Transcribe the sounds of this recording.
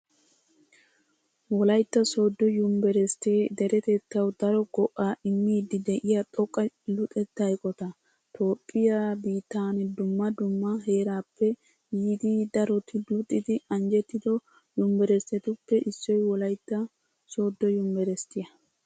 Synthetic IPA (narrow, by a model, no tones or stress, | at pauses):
wɔlɐjt̪ːɐsoːd̪ːɔjʊmbɛɾɛst̪eːd̪ɛɾɛt̪ɛt̪ːɐwd̪ɐɾɔɡɔʔaːʔɪmːiːd̪ɪd̪ɛʔɪjat̪ʼɔkʼːɐlʊt̪ʼɛt̪ːɐjkʼɔt̪ɐ | t̪ʰʼo̞ːpʼːɪjabiːt̪ːaːnɛd̪ʊmːɐd̪ʊmːɐɦe̞ːɾaːpʰːɛ | jiːd̪id̪ɐɾɔt̪ɪlʊt̪ʼːɪd̪ɪɐnd͡ʒɛt̪ːɪd̪ɔ | jʊmbɛɾɛst̪ːɛt̪ʊpːɛʔɪsːɔjwɔlɐjt̪ːɐ | so̞ːd̪ːɔjʊmbɛɾɛst̪ɪjɐ